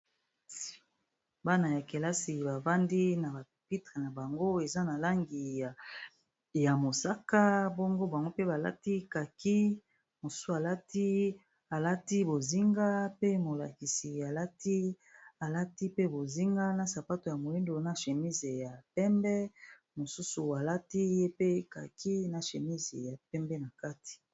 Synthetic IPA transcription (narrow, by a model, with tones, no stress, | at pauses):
ba˦na˨ja˨ke˨la˦si˨ba˨va˦ndi˦na˨ba˨pi˦tʁe˨na˨ba˨ŋɡo˦e˨za˦na˨la˦ŋɡi˨ | ja˨mo˨sa˦ka˦bo˦ŋɡo˦ba˨ŋɡo˦pe˦ba˨la̰˦ti˦ka˨ki˦ | mo˨su˦a˨la˦ti˦ | a˨la˦ti˦bo˨zi˦ŋɡa˦pe˦mo˨la̰˨ki˨si˨a˨la˦ti˦ | a˨la˦ti˦pe˦bo˨zi˦ŋɡa˦na˨sa˨pa˦to˨ja˨mo˨li˦ndo˨na˦ʃe˨mi˦ze˨ja˨pɛ˦mbɛ˦ | mo˨su˦su˨a˨la˦ti˦je˦pe˦ka̰˨kʰi˦na˨ʃe˨mi˦zḛ˨ja˨pɛ˦mbɛ˦na˨ka˦ti̥˨